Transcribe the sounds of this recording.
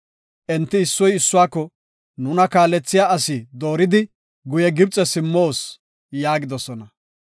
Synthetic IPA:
ʔɛnt̪ːɪːsːɔjɪsːʊwaːkːɔ | nʊnɐkaːlːɛt͡sːɪjaːɐsɪd̪o̞ːɾɪd̪ɪ | ɡʊjɛɡɪb̚t͡sʼɛsɪmːoːs | jaːɡɪd̪ɔsɔnɐ

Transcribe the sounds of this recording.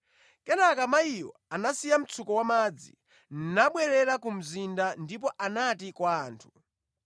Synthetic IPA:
kɛnakamaiwɔ̰anasijam̩t͡sʰukɔwamad͡zḭ | n̩naɓwɛɾɛɾakum̩zindandip̬ɔʔanatikwaːntʰu̥

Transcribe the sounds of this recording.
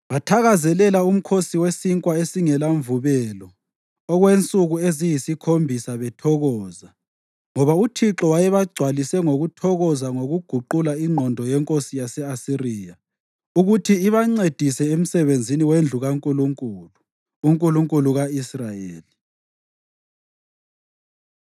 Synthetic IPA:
βatʰaɣazɛlɛlaum̩kʰosiwesiŋkʼwaesiŋɛlaɱvuβɛlɔ | ɔɣwent͡sʼuɣuezijisikʰombʱisaβɛtʰɔɣɔːza | ŋɔβautʰiǁɔwajɛβaɡ͡ǀʱwalisɛŋoɣutʰɔɣɔzaŋoɣuɡ̥ʱuǃulaiŋ͡ǃʱɔndʱɔjɛŋkʼosijasɛasiriːja | uɣutʰiːβaŋ͡ǀed̥ʱisɛem̩sɛβend͡zʱiniwend͡ɮʱuɣaŋkʼuluŋkʼuluː | ŋkʼuluŋkʼuluɣaisrajeːli

